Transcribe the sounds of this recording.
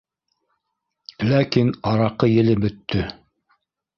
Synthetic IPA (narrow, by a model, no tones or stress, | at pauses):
lækinɑɾɑqɤjɘ̆lɘbɵ̆t̪ːɵ